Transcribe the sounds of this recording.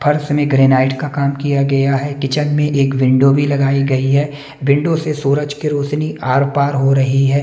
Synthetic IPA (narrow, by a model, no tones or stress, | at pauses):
pʰɐɾsmẽɡɾeːnaːɪʈkakaːmkijaɡɐjaɦɛkɪt͡ʃənmẽʔeːkʋɪ̃ɳɖobʱilɐɡaːiɡɐiɦɛː | ʋɪ̃ɳɖosesuːɾəd͡ʒkeɾoːt͡ʃniʔaːɾpaːɾɦoɾɐɦiɦɛː